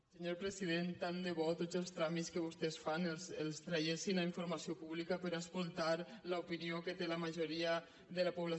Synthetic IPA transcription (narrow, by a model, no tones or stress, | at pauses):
səɲoɾpɾəsiðent̪and̪eβɔt̪od̪zəlˠst̪ɾamiskəβust̪esfanelselˠst̪ɾajesinaiɱfuɾmasiopuβlikapəɾaskulˠt̪aɾlaupiniokət̪elamaʒoɾiə | ðəlapuβla